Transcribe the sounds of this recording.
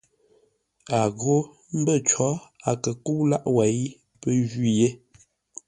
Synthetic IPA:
a˨ɣo˦ | m̩˦bə˦˨t͡ʃɔ˨˦a˨kə˨ku˦wla˦ʔwɛ˨˦j | pə˦ʒi˦˨je˦

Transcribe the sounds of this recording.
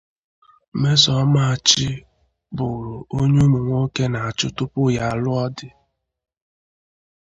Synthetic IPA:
me˦sɔ˦ma˨a˨t͡ʃɪ˦ | bʊ˨ɾʊ˨o˦ɲe˦me˨ŋʷo˦ke˦na˨a˨t͡ʃʊ˦tʊ˦pʊ˦ja˨lʊ˦ɔ˦dɪ˦

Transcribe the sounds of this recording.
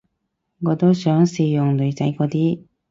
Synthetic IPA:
ŋɔː˨˧t̪o˥sœː˨˥ŋsiː˨˧jʊ˨ŋlɵ˨˩t͡sa˧jkɔː˧t̪iː˥

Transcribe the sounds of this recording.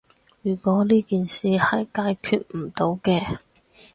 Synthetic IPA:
jyː˨˩kɔː˨˥liː˥kiː˨nsiː˨hɐ˨jkaː˧jkʰyː˧t̚m̩˨˩t̪o˨˥wkɛː˧

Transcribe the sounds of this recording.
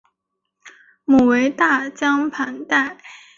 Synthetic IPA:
mu˨˩we˧˥ɪt̪a˥˩t͡ɕjɑ˥ŋpʰa˧˥nt̪a˥˩ɪ

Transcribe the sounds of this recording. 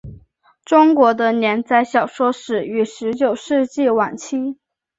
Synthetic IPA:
ʈ͡ʂʊ˥ŋkwɔ˧˥d̪ə˧njɛ˧˥nt͡sa˥˩ɪɕjɑ˨˩ʊʂwɔ˥ʂɻ̩˨˩y˧˩ʂɻ̩˧˥t͡ɕjo˨˩ʊʂɻ̩˥˧t͡ɕi˥˩wa˨˩nt͡ɕʰi˥

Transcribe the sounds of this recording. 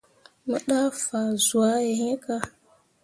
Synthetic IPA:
mə˦ɗa˦fa˨zu˨a˦je˨he˦ka˦

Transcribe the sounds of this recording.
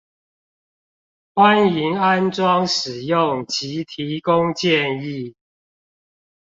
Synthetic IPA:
xwa˦ni˨˦ŋa˦nʈ͡ʂwɑ˦ŋʂɻ̩˨˩jʊ˥˨ŋt͡ɕi˨˦t̪ʰi˨˦kʊ˦ŋt͡ɕjɛ˥˨ni˥˨

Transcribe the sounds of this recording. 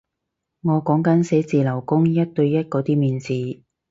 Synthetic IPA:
ŋɔː˨˧kɔː˨˥ŋkɐ˨˥nse˨˥t͡siː˨lɐ˨˩wkʊ˥ŋjɐ˥t̚t̪ɵ˧ɥjɐ˥t̚kɔː˨˧t̪iː˥miː˨nt͡siː˨

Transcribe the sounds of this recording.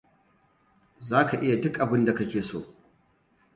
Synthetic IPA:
zaː˦ka˨ʔɪ˦ja˨dʊ˦kʔa˨bɪ˦nda˨kɐ˦kʲeː˨so̰ː˦

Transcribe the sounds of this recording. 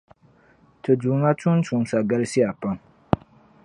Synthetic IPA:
tɨ˨du˨˦ŋa˦tʊ˦n˦tu˨˦ŋsa˨ɡa˦lsi˦a˨pa˦ŋ

